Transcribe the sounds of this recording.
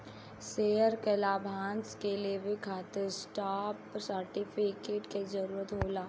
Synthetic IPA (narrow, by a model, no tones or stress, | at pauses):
seɦəɾkelaːbʱãːnskeliebʱikʰaːt̪ɪɾsʈaːpsəɾʈipʰikeːʈkezəɾuːɾət̪ɦoːlaː